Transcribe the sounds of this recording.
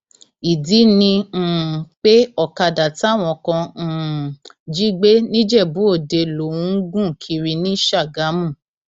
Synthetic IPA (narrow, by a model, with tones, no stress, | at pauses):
i˨di˨˦nĩ˧˨k͡pe˦ɔ˦˨ka˧da˨tw̃ɔ̃˧kɔ̃˧˨ | d͡ʒi˦ɡ͡be˦nĩ˦d͡ʒɛ˦˨bu˨˦o˦˨de˧lo˨ũ˦ɡũ˦˨kʰi˧ɾi˧nĩ˦ʃa˦˨ɡa˨˦mũ˦˨